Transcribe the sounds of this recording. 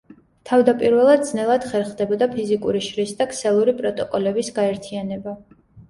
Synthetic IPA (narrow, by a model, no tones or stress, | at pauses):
t̪ʰavd̪apʼiɾvɛlˠad̪̚d̪znɛlˠad̪̥χɛɾχd̪ɛbɔd̪apʰizikʼuɾiʃɾisd̪aksɛlˠuɾipʼɾɔt̪ʼɔkʼɔlɛbisɡaɛɾt̪ʰianɛba